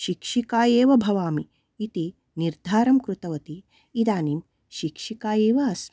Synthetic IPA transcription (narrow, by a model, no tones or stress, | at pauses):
ʃikʂikaːjeːʋɐbʱɐʋaːmiː | t̪i | niɾd̪ʱaːɾɐmkɾut̪ɐʋɐt̪i | id̪aːnim | ʃikʂikaːjeːʋɐɐs